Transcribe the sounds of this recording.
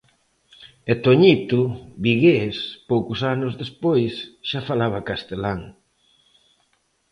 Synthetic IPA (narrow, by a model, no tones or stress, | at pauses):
et̪oɲit̪uβiɣespowkʊsanʊzðespojsʃafalaβakast̪elaŋ